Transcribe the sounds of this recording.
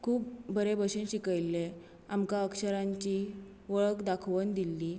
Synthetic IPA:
kʰuːp̚bʱəɾebəɕenɕikəjlːe | amkaəkɕəɾaɲt͡ɕi | ʋəɭəkd̪akʰʋənd̪ilːi

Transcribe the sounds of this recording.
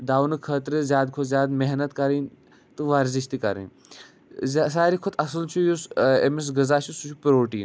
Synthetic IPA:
d̪aːwnɨkʰəːt̪ɾɨzjaːd̪kʰʊt̪zʲjaːd̪meɦnɐt̪kɐɾin | t̪ɨʋaːɾziʃt̪ikɐɾḭn | zʲsaːɾikʰʊt̪ʰɐsɐlt͡ʃʰujusḛmes̬ɡɐzaːt͡ʃʰisut͡ʃʰupɾoːʈḭːn

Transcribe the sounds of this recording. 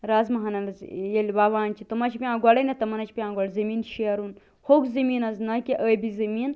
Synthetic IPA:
ɾaːzmɐɦɐnɐlɐzjelʲbaʋaːnʲt͡ʃʰit̪ɐmɐt͡ʃʰipʲiãːɡɐlɐnet̪ɐmɐnɐt͡ʃʰpʲiãːɡɐɽzɐmiːnʃiɐɾun | hokzɐmiːnɐznɐkʲiʔəjbizɐmiːn

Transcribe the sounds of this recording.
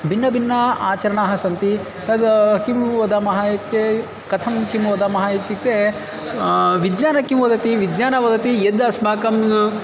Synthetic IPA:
bʱinːɐbinːɐaːt͡ʃɐɾɐɳaːɦɐsɐnt̪i | t̪ɐd̪ɐkimʋɐd̪ɐmɐɦajt̪e | kɐt̪ʰɐmkimʋɐd̪ɐmɐɦajit̪it̪e | ʋid̪ɲaːnɐkimʋɐd̪ɐt̪iʋid̪ɲaːnɐʋɐd̪ɐt̪ijed̪ɐsmaːkɐm

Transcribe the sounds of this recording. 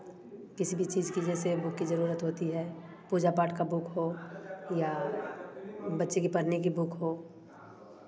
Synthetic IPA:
kɪsibʱit͡ʃiːzkid͡ʒɛsebʊkːizɐɾuːɾət̪ɦoːt̪iɦɛː | puːd͡ʒapaːʈkabʊkɦoːja | bɐtːʃekipɐɽnik̬ibʊkɦoː

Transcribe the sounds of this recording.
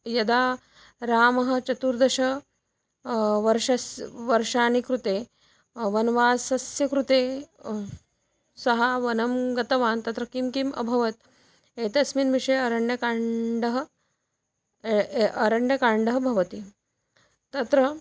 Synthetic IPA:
jɐd̪aː | ɾaːmɐɦɐ̆t͡ʃɐt̪uːɾd̪ɐʃɐ | ʋɐɾʂɐsʋɐɾʂaːnikɾut̪eː | ʋɐnʋaːsɐsjɐkɾut̪eː | sɐɦaʋɐnɐmɡɐt̪ɐʋaːnt̪ɐt̪ɾɐkimkimɐ̰bʱɐʋɐt̪̚ | eːt̪ɐsminʋiʂɐjɐɾɐɳɖjɐkaːɳɖɐɦɐ̆ | ɐɾɐɳɖjɐkaːɳɖɐɦɐbʱɐʋɐt̪i | t̪ɐt̪ɾɐ

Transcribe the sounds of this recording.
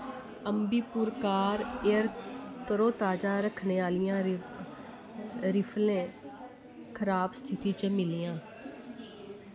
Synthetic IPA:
əmbiːpuɾkaːɾeəɾt̪əɾoːt̪aːd͡ʒãːɾəkʰneːaːlɪjãː | ɾɪpʰlẽː | kʰəɾaːbst̪ʰɪt̪iːt͡ʃəmɪlijãː

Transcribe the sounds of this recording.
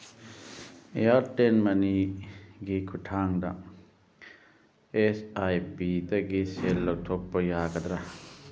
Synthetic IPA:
ejaɾtenmɐniɡikʰutʰaŋdɐ | esajpidɐɡiselːɐk̚tʰopːɐjaɡɐd̪ɾɐ

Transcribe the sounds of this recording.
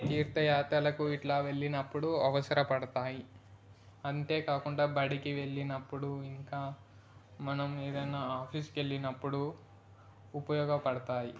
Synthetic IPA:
t̪iːɾt̪ɐjaːt̪ɐlɐkuiʈlaːʋe̞ɭːinɐpːuɽuɐʋɐsɐɾɐpɐɽɐt̪aːji | ɐnt̪e̞ːkaːkuɳɖaːbɐɽikiʋe̞ɭːinɐpːuɽuiŋkaː | mɐnɐme̞ːd̪ɐjnaːaːpʰiske̞ɭːinɐpːuɽu | upɐjɔːɡɐpɐɽɐt̪aːji

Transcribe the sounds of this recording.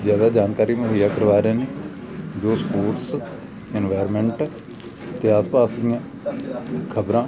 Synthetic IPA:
zjaːd̪aːd͡ʒaːnkaːɾiːməɦəjaːkəɾʋaːɾãːneː | d͡ʒoːspoːʈs | ɪnʋaːɾmɛ̃ːɳʈ | t̪eːaːspaːsd̪ɪjãː | kʰəbɾãː

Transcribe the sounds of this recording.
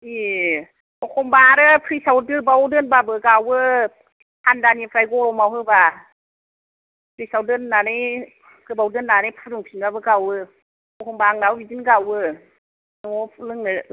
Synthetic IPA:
i | ɔkʰɔmbaɾɯpʰɾisawdɯbawdɯnbabɯɡawɯ | handanipʰɾajɡɔɾɔmawhɯba | pʰɾisawdɯnːaɾej | kɯbawdɯnːaɾɯjpʰaɾuŋpʰinbabɯɡawɯ | ɔkʰɔmbaŋnawbidinɡawɯ | nɔɔlɯŋnɯ

